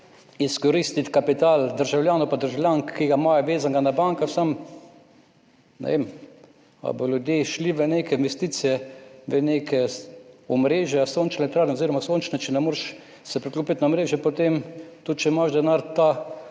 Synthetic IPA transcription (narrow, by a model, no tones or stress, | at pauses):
iskɔɾist̪it̪kapit̪aːld̪əɾʒawlʲjaːnopad̪əɾʒawlʲjaŋkːiɡamajɛʋeːzaŋɡanabaŋkaxsam | nɛ̰ʋem | a̰bɔlʲjud̪jeʃliʋənekɛinʋɛst̪it̪sijɛʋəneːkʰɛɔmɾeːʒjɛsont͡ʃnɛt̪ɾaːɾnɛoziːɾɔmasoːnt͡ʃnɛt͡ʃɛnɛmoːɾʃ | sɛpɾiklopit̪naomɾeːʒjɛpot̪emt̪ut̪t͡ʃɛmaʃd̪ɛnaɾt̪a